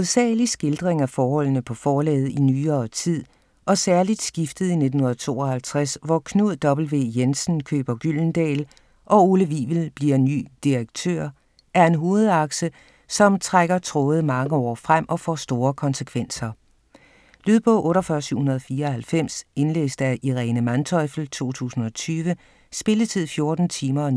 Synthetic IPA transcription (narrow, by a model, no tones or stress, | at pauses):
oðˠsɛ̰ːlisɡ̥e̝ld̥ʁeŋæfɒːhɒ̽l̰nəpʰɒ̽fɒːlɛ̰ːð̞̩ˠinyːɐːt͡sʰið̰ˠ | ʔɒ̽sæɐlid̥sɡ̥ifd̥ð̞̩ˠine̝̥n̩hunɐð̩ˠt͡sʰo̝̰ːɒ̽hælt͡sʰʁasʋɒkʰnuð̰ˠd̥ɒ̽b̥l̩ʋe̝̰ːjensn̩kʰø̰ːb̥ɐɡ̥yl̰n̩d̥ɛ̰ːl | ʔɒ̽oləʋiːʋl̩b̥liɐny̰ːd̥iʁeɡ̥̚t͡sʰø̰ɐ̰ | ʔæɐe̝nɦo̝ːð̞̩ˠɑ̈ɡ̥sə | sɒ̽mt͡sʰʁaɡ̥ɐt͡sʰʁɔːð̞̩ˠmɑ̈ŋəɒ̰ːfʁam̰ʔɒ̽fɒ̰sd̥o̝ːɐkʰɒ̽nsəkʰʋen̰sɐ | lyðˠb̥ʰɔ̽ʔɔ̽ːɾɒfɶɐsyɐ̰hunɐð̞̩ˠfiːɐɒ̽hælfem̰se̝nlḛːsd̥æʔiʁɛːnəmænt͡sʰɒ̽ɪfl̩t͡sʰo̝̰ːt͡sʰṵːsn̩ɒ̽t͡sʰyːʋə | sb̥e̝lət͡sʰið̞̰ˠfjo̝ɐd̥n̩t͡sʰiːmɐɒn